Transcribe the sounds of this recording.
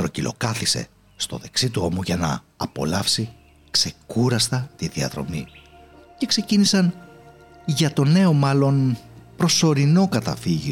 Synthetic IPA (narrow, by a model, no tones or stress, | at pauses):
t̪ɾo̞cilo̞̰kɐθise̞̰ | st̪o̞̰ðe̞ksit̪uo̞muʝɐnɐ̰ː | po̞̰lɐfsi | kse̞kuɾɐst̪ɐt̪iðiɐ̰ðɾo̞̰mi | ce̞kse̞cinisɐn | ʝɐt̪o̞ne̞o̞mɐlo̞npɾo̞so̞ɾino̞kɐt̪ɐ̰fiʝi